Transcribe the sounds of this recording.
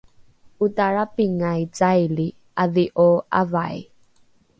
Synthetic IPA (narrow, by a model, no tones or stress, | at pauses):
utaɭapiŋajt͡sajli | aðiʔoa̰vaj